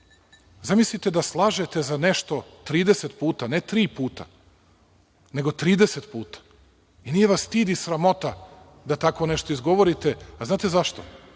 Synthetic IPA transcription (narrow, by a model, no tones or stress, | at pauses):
zamislit̪e̞d̪aslˠaːʒe̞t̪e̞zane̞ʃt̪o̞t̪ɾiːd̪e̞set̪puːt̪anet̪ɾiːpuːt̪a̰ | ne̞ɡo̞t̪ɾiːd̪e̞set̪puːt̪ḁ | inijeʋast̪iːd̪isɾamo̞t̪a | d̪at̪ako̞ne̞ʃt̪o̞izɡo̞ʋo̞ɾit̪eaznaːt̪e̞zaʃt̪o